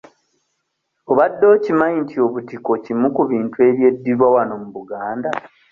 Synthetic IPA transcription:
oβadːo̞ːcimaintʰio̞βutiko̞cimukuβiːntue̞βje̞dːiɾwawano̞muβuɡaːnda

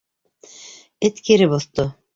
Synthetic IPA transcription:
ɘt̪kiɾɘbŏθt̪o

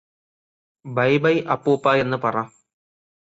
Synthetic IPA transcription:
bɐjbɐjʔɐpːuːpːaːje̞nːɨpɐraːm

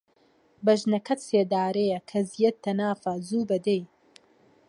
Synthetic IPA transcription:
bɐʒnɐkʰɐt̪seːd̪aːɾejɐkʰɐzijɐt̪ʰːɐnaːfɐzuːbɐd̪ej

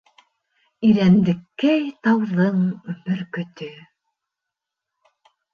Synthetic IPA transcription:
iɾænnd̪ɘ̆kːæjt̪ɑwðɤɴbɵ̆ɾkɵ̆t̪ɵ

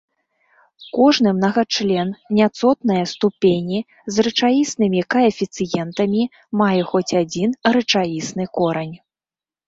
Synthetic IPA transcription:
kɔʐnɨmnɐɣat͡ʂlʲɛnnʲat̪sɔt̪nɐjɐst̪upʲenʲi | zrɨt͡ʂajisnɨmʲikaɐfʲit̪sɨjɛnt̪ɐmʲi | majɛxɔt͡sʲad͡zʲinrɨt͡ʂajisnɨkɔɾɐnʲ

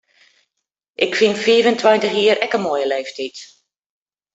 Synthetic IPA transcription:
ʔɪkfinfiːvəntʰwajntəxjiːəɾɛkəmoːjəleːftʰit

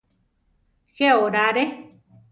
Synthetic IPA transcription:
xeoɾaɾe

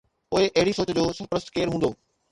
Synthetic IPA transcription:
poːeʔɐɦɪɽisoːt͡ɕəd͡ʑoːsɐɾpɾəst̪keːɾɦũːnd̪oː

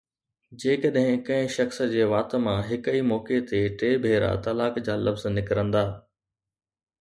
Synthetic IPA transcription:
d͡ʑeːkɐɗɦɪ̃kɐ̃ɦɪ̃ʃɐxsə̆d͡ʑeːʋaːt̪mãɦɪkəimɔːket̪eʈeːbʱeːɾa̰t̪ɐlaːkd͡ʑaːlɐfznɪkɾə̃nd̪aː

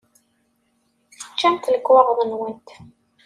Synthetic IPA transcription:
θə̥t͡ʃːænt̪ləkːwɑʁðˤənwənt̪

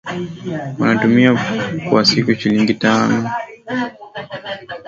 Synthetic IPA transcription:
wanatumiakuwasikuʃiliŋɡitanɔ

